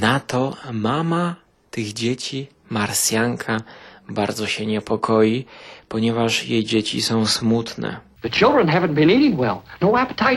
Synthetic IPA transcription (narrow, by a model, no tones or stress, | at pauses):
nat̪ɔmama | t̪ɘɣd͡ʑet͡ɕi | maɾsʲjaŋkʰabaɾd̪zɔɕɛɲɛpʰɔkʰɔjipɔɲɛvaʂjejd͡ʑet͡ɕḭsɔ̃w̃smut̪nɛ̰ | ðɨt͡ʃʰɪlˠdɹə̃nɦævɨ̃nb̥ɨ̃niɾɪ̃ŋwɛlˠnoʊæpə̥tʰaɪ